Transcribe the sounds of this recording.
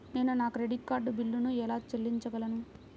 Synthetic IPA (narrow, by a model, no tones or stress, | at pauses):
ne̞ːnunaːkɾeɖikːaːɾɖbilːunuɛlaːt͡ʃelːiɲt͡ʃɐɡɐlɐnu